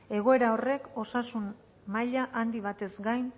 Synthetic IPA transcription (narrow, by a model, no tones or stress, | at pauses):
e̞ɣ̞o̞e̞ɾao̞re̞ko̞sasun | maʎaʔand̪iβ̞at̪e̞zɡajn